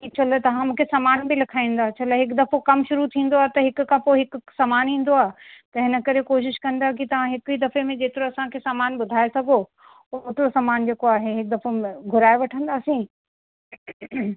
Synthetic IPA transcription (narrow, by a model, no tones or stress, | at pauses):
kit͡ɕʰɐlet̪ɐʋ̤ãmũːkʰesaːmaːnbilɐkʰaːĩːn̆d̪aːt͡ɕʰɐleɦɪkd̪ɐfokɐmʃʊɾut̪ʰĩːn̆d̪oaːɦet̪ɐɦɪkʊkʰãpoːeɦɪksaːmaːnɦĩːn̆d̪oaːet̪ɐɦɪnə̆kɐɾekoːʃɪʃkɐ̃nd̪aɦkit̪ɐʋ̤ãɦɪkɦid̪ɐfemẽd͡ʑeːt̪ɪɾoɐsãkʰesaːmaːnbʊd̪ʱaːesɐɡʱo | ooːt̪ɪɾosaːmaːnd͡ʑeːkoaːɦeɦɪk̚d̪ɐfomẽɡʱʊɾaːeʋɐʈʰə̃nd̪aːsĩː